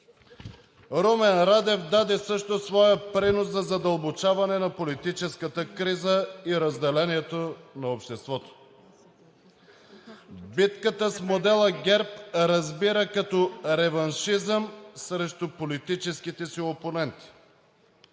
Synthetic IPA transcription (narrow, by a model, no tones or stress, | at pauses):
ɾomɛnɾad̪ɛfd̪ad̪ɛsɤʃt̪osvɔjəpɾinoszɐzɐd̪əlˠbot͡ʃavɐnɛnɐpolit̪it͡ʃɛskət̪əkɾizəiɾɐzd̪ɛlɛniɛt̪onɐopʃt̪ɛst̪vɔt̪o̥ | bit̪kət̪əsmod̪ɛlˠəɡʲɛɾpɾɐzbiɾəkɐt̪ɔɾɛvɐnʃizəmsɾɛʃt̪ʊpolit̪it͡ʃɛskit̪ɛsioponɛnt̪i̥